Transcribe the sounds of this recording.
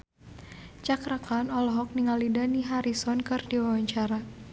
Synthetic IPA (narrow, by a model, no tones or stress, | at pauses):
t͡ʃakɾakanɔlɔɦɔk̚niŋalidaniɦaɾisɔnkɨrdiwawaɲt͡ʃaɾa